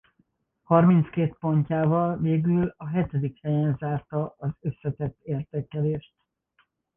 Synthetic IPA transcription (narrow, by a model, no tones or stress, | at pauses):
hɒrmint̪skeːt̪̚po̞ɲcaːvɒlveːɡylɒɦɛt̪ɛd̪ikhɛjɛnzaːrt̪ɒʔɒzø̞sːɛt̪ɛt̪ːeːrt̪eːkɛleːʃt̪